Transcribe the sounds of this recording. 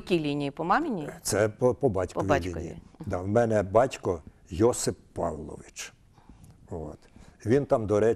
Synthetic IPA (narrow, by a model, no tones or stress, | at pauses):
kʲilʲinʲijipɔmɑmɪnʲit̪sɛpɔpɔbɑtʲkɔʋʲilʲinijḭd̪ɑwmɛnɛbɑtʲkɔ | jɔsɪfpːɑ̰ʋlˠɔ̰ʋɪt͡ʃ | ʋo̰t̪ʋʲint̪ɑmd̪ɔɾɛ